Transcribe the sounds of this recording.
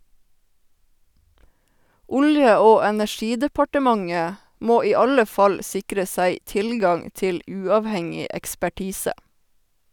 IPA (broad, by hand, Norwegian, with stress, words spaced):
ˈʊljə ˈoː ɛnæˈʃiːdəpɑʈəˌmɑŋə ˈmoː ˈiː ˈɑlə ˈfɑl ˈsɪkɾə ˈsæɪ ˈtɪlɡɑŋ ˈtɪl ˈʉːɑːʋˌhɛŋɪ ɛkspæˈʈiːsə